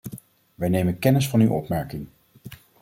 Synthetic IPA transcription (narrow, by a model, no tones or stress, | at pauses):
ʋɛjnejmənkɛnɪsfɑnywʔɔ̰pmɛɹkɪŋ